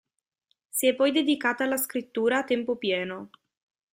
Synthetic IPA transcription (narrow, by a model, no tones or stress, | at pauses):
siɛpɔjd̪ed̪ikaːt̪aːlaskɾit̪ːuːɾaːt̪empopjɛːno